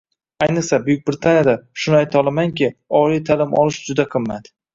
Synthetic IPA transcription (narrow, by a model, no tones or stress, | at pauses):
ajnɨqsabʊjʊk̚ʲbɾɪt̪ʰanjad̪aʃʊnajt̪ʰɒlˠamaŋkʲɪɒlijt̪ʰalɪmɒ̰lˠɪʃd͡ʒʊd̪aqʰɨmːat̪